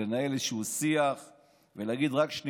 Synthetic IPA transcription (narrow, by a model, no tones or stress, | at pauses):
enaeleʃusiaχ | velaɡid̪ʁakʃni